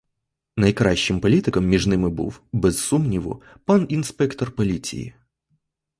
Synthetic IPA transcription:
nɐjkɾaɕːɪmpɐlʲit̪ɨkəmːʲɪʐnɨmɨbɨ̰fbʲɪsːumnʲɪvʊ̰ | panɪnspʲɛkt̪ərpɐlʲit͡sʲɪ̰ɪ̰

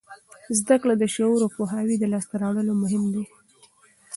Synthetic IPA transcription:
zd̪aklad̪əʃooɾopoɦɑwid̪əlɑst̪aɾɑɽəlomʊɦɪmd̪e

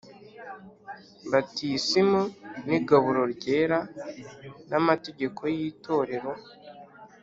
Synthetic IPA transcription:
batiːsimuniɡaβuɾo̞ɾɟe̞ːɾa | namate̞ɟe̞kʰo̞jiːtʰo̞ɾe̞ɾo̞

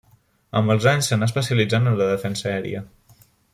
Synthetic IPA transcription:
əmbəlˠzaɲsːənaəspəsiəlid͡zanənləðəfɛnsəɛɾḭə

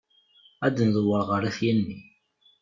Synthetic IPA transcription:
æd̪nðˤəwːəɾˤʁəɾæθjænːi

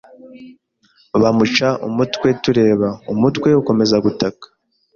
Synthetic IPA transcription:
βamut͡ʃaʔumutwe̞tuɾe̞ːβaumutwe̞uko̞me̞zaɡutakḁ

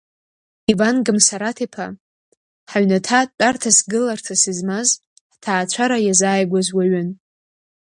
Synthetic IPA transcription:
ivanɡɨmsaɾatʰipʰa | ħaɥnatʰat͡pʼartʰasɡɨlartʰasizmaz | ħtʰaːt͡ʃʷʰaɾajazaːjɡʷazwaɥan

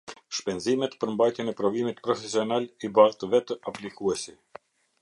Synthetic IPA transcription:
ʃpɛnzimɛt̪pəɾmbajt̪jɛnɛpɾɔvimit̪pɾɔfɛsiɔnalibaɾt̪əvɛt̪əaplikuɛsi

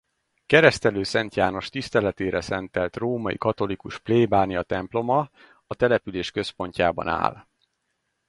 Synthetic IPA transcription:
kɛɾɛst̪ɛløːsɛnt̪jaːno̞ʃt̪ist̪ɛlɛt̪eːɾɛsɛnt̪ɛlt̪roːmɒjḭkɒt̪o̞likuʃpleːbaːnijɒt̪ɛmplo̞mɒ | ɒt̪ɛlɛpyleːʃkø̞spo̞ɲcaːbɒ̰na̰ːl

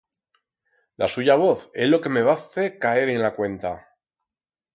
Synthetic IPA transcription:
lʔa̰suʝaβ̞o̞θe̞zlo̞ke̞me̞βaθe̞kae̞ɾenlakwe̞nt̪a

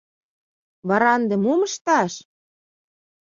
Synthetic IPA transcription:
βɑɾɑnd̪ĕmumə̆ʃt̪ɑʃ

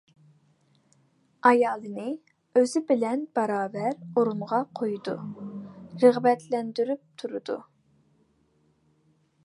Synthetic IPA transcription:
ɑjɑːlˠɨnɨ | øz̥ɪbɪlɛnbɑɾɑːvɛɾoɾumʁɑqʰojud̪u | ɾəʁbɛt̪ʰlɛnd̪yɾyp̚t̪ʰuɾud̪̥u

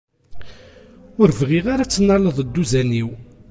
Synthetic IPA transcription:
ʊɾvʁiʁaɾat͡sːənːɑləðˤəd̪ːuzæniw

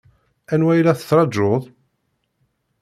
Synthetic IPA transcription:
ænwæjlæθə̥t͡sːɾˤɑd͡ʒːoðˤ

